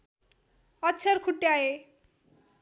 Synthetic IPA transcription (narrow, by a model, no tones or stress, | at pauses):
ɔt͡ɕʰaɾkʰuʈːeae